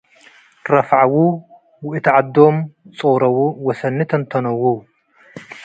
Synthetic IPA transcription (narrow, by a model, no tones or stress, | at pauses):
ɾɐfʕawu | wʊʔɨt̪ʰʕad̪ːomt͡sʼɨɣɾɐwuwɔsɐnːɨt̪ʰɐnt̪ʰɐnɐwːow